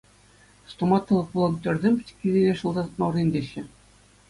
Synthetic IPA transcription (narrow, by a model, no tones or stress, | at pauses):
st̪omɑt̪ːɤ̆lˠɤ̆k̚pulˠɤnt̪ʲø̆rʲzʲemʲkʲizʲenʲeʂɤ̆lˠd̪ɑt̪mɑrnʲinʲd̪ʲeɕːɘ̆